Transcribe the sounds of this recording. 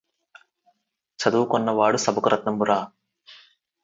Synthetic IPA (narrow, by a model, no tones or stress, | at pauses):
t͡ʃɐd̪uːkɔnːɐʋaːɽusɐbɐkuɾʔɐt̪nɐmbuɾaː